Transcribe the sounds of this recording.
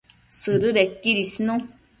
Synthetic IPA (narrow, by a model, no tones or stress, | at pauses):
sɨɾɨɾɛkiɾisnũ